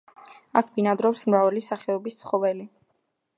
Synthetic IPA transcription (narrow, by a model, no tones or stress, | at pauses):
akʰbinad̪ɾɔpsmɾavɛlisaχɛɔbist̪sʰχɔvɛli